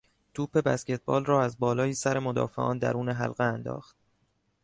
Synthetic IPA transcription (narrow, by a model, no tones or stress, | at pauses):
t̪ʰuːpʰe̞bæ̰scet̪̚ʰbɒ̰ːlrɒːæzbɒːlɒːjiːsæɾe̞mod̪ɒ̰ːfe̞̰ʔɒ̰ːnd̪æ̰ɾuːneɦæ̰lɣeænd̪ɒ̰ːxt̪̚